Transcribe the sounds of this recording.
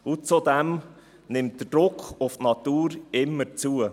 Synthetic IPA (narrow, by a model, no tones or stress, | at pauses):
ʊt͡sud̪ɛm | nɪmt̚d̥əd̥ɾʊkχʊftnɑt̪uːɾɪmːəɾt͡suə